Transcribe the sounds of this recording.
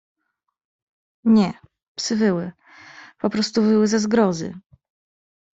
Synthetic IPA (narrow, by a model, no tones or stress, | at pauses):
ɲɛ | psɘvɘwɘ | pɔpɾɔst̪uvɘwɘzazɡɾɔzɘ̰